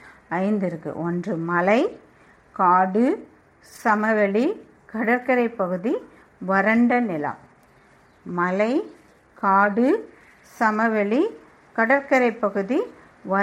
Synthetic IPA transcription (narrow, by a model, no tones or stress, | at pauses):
ɐɪnd̪ɪɾɯkːɯ̰ʔɔndrɯmɐlɐɪ | kaːɽɯ | sɐmɐʋɛɭi | kɐɽɐɾkɐɾɐɪpːɐɣɯði | ʋɐɾɐɳɖɐnɪlɐ̰m | mɐlɐɪ | kaːɽɯ | sɐmɐʋɛɭi | kɐɽɐɾkɐɾɐɪpːɐɣɯði | ʋɐ